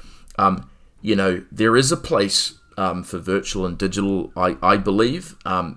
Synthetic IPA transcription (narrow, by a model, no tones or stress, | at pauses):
ʔʌ̃m | jɨnoʊðə˞ɪzəpʰl̥eɪs | ʌ̃mfə˞vɜ˞t͡ʃul̩ˠə̃ndɪd͡ʒɨɾl̩ˠa̰ɪʔaɪbəliv̥ʔʌ̃m